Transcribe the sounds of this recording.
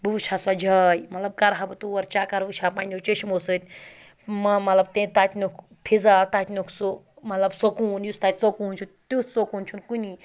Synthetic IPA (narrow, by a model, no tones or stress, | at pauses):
bubut͡ʃʰasad͡ʒʱɐjmɐt̪lɐb̚kɐɾɦabɨt̪uʋɐɾt͡ʃaːkɐɾʋɨt͡ʃʰaːpaːnʲot͡ʃeʃmosɨt̪ʲ | mɐmɐt̪lɐb̚t̪ẽt̪at̪ʲnʲukʰ | pʰid͡zat̪aːt̪ʲnʲukʰsu | mɐt̪lɐbsokuːnjust̪aːt̪ʲt͡sokuːnt͡ʃʰut̪ut͡sokuːnt͡ʃʰunkunʲi